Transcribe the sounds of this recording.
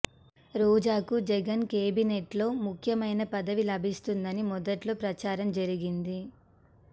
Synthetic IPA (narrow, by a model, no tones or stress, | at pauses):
ɾoːd͡ʒaːkud͡ʒɛɡɐnkeːbineʈlo̞ːmukʰjɐmɐjnɐpɐd̪ɐʋilɐbʱist̪und̪ɐnimɔd̪ɐʈloːpɾɐt͡ʃaːɾɐmd͡ʒɐɾiɡind̪i